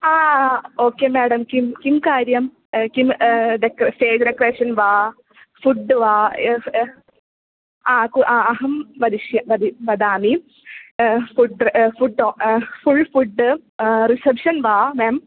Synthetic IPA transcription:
aːoːkːeːmeːɽɐmkimkimkaːɾjɐm | kimɖekfeːd͡ʒɾekːreːʂɐnʋaː | fuɖːɨʋaː | aːkuʔaɐɦɐmʋɐd̪iʃjɐʋɐd̪iʋɐd̪aːmi | fuɖfuɖoːfuɭfuɖːɨrisɐbʂɐnʋaːmeːm

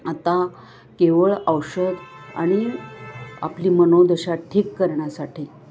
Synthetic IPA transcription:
at̪a | keʋəɭəwɕəd̪ | a̰ɽ̃i | a̰plimənod̪əɕaʈʰiːkːəɾɳjasaʈʰi

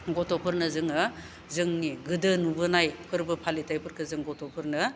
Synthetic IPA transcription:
ɡɔtɔpʰɯɾnɐzɯŋɯ | zɯŋniɡɯdɯnubɯnajpʰɯɾbɯpʰalitʰajpʰɯɾkʰɯzɯŋɡɔtɔpʰɯɾnɯ

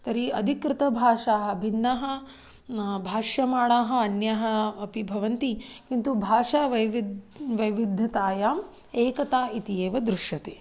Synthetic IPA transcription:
t̪ɐɾiɐd̪ʱikɾɪt̪ɐbʱaːʂaːɦɐ̆bʱinːɐɦɐ̆ | bʱaːʃjɐmaːɽaːɦɐ̆ɐnjɐɦɐ̆ɐpibʱɐʋɐnt̪ikint̪ubʱaːʂaːʋɐjʋidʋɐjʋid̪ʱːɐt̪aːjaːm | eːkɐt̪aːit̪ieːʋɐd̪ɾuʂjɐt̪e

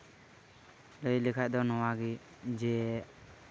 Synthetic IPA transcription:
ləjlikʰaʔ̚d̪ɔnɔwaɡi | d͡ʒɛ

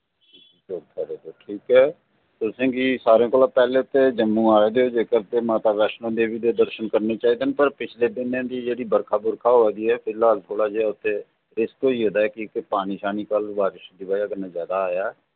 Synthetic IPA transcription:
d͡ʒoːɡt̪ʰəɾeːd̪oːʈʰiːkɦɛː | t̪ʊsẽːkisaːɾẽːkoːlaːpɛːleːʊt̪ːed͡ʒəmːũaːed̪eod͡ʒeːkəɾt̪emaːt̪aːʋɛːʃnõd̪eːʋid̪ed̪əɾʃənkəɾnet͡ʃaːɦiːd̪eːnpəɾpɪt͡ʃʰled̪ɪnẽd̪id͡ʒeːɽibəɾkʰaːbʊɾkʰaɦoɛːɡ̪iɦɛːpʰɪlaːlt̪ʰoːɽad͡ʒeaʊt̪ːe | ɾɪskt̪oioːd̪aːɦɛkikepaːniʃaːnikəlʋaːɾɪʃd̪ibaːjakəɾnazjaːd̪aːjaɛː

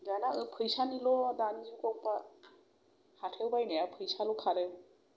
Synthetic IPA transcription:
ɡanaɯpʰɯjsanilɔdanizukɔwpa | hatʰewbajnajapʰɯjsalɔkʰaɾe

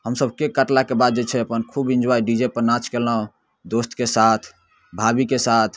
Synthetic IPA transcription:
ɦəmsəbkekəʈlakebad̪̚d͡ʒet͡ʃʰɛəpənkʰubĩnd͡ʒwajɖid͡ʒepəɾnat͡ʃkelaõ | d̪ost̪kesat̪ʰ | bʱabikesat̪ʰ

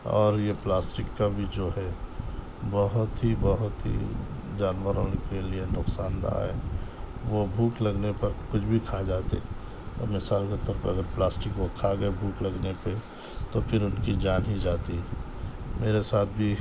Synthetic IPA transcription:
ɔ̰ːɾjeplaːsʈɪkːabʱid͡ʒoːɦɛ | bəɦʊt̪ɦibəɦʊt̪ɦḭd͡ʒaːnʋəɾoːnekelienʊksaːnd̪a̰ɦɛ̰ːʋobʱuːklɐɡnepɐɾkʊt͡ʃʰbʱikʰad͡ʒaːt̪eɛ | ɔ̰ːɾmɪsaːlket̪ɔɾəpɐ̰ɡəɾplaːsʈɪkʋokʰaɡəebʱuːklɐɡnepe | t̪opʰɪɾʊnkid͡ʒaːnɦid͡ʒaːt̪iɦɛ | meːɾesaːt̪̚ʰbʱi

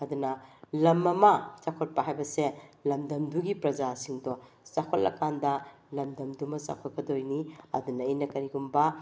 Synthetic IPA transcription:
ɐdunɐlɐmːɐmɐt͡ʃakʰot̚pɐɦajbɐselɐmdɐmduɡipɾɐd͡ʒasiŋdɔ | sakʰolɐ̰kandɐ | lɐmdɐmdumɐsa̰kʰot̚kɐdojniɐ̰dunɐinɐkɐɾiɡumbɐ

